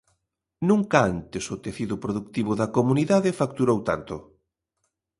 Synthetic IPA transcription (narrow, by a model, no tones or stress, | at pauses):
nũŋkaant̪ɪsʊt̪eθiðʊpɾoðuk̚t̪iβʊðɐkomuniðaðɪfak̚t̪uɾowt̪a̰nt̪ʊ